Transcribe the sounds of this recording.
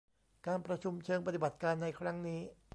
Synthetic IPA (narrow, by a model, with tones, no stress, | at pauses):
kaː˧npɾa˧t͡ɕʰu˧mt͡ɕʰɤː˧ŋpa˧t̪i˨˩ba˨˩t̪̚kaː˧nːa˧jkʰɾa˦˥ŋniː˦˥